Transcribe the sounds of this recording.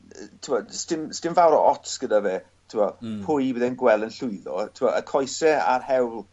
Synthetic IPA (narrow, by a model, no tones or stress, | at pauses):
tʰɪwɔdstɪmstɪmvawɾɔ̰ʔɔtsɡ̥ədavɛ | tʰɪmɔpʰʊjwɪðɛnɡwɛlˠənɬʊɨðɔ̰tʰɪwɔʔəkʰɔjsɛa̰rhɛwlˠ